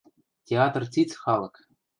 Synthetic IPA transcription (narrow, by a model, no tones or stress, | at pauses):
tʲeat̪rt͡sit͡sʲχɑlˠɤ̆k